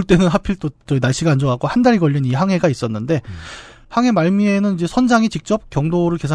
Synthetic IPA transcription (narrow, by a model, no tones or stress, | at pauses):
ɭt͈e̞nɯnɦapʰiɭt͈ot͡ɕʌinaɭɕ͈iɡaːnd͡ʑoaɡohandaɾiɡʌʎːiniɦaŋɦe̞ɡais͈ʌnːɯnde̞ | haŋɦe̞maɭmie̞nɯnid͡ʑe̞sʰʌnd͡ʑaŋit͡ɕik̚t͡ɕ͈ʌp̚k͈jʌŋdoɾɯɭke̞sʰ